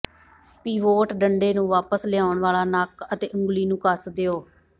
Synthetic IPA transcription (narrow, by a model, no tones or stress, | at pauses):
piːʋoːʈɖəɳɖeːnũːʋaːpəslɪaːʊɳʋaːlaːnaːkət̪ḛːʔə̃ŋɡliːnũːkəsd̪eːoː